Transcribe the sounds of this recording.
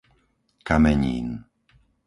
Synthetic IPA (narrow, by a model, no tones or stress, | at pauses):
kamɛɲḭːn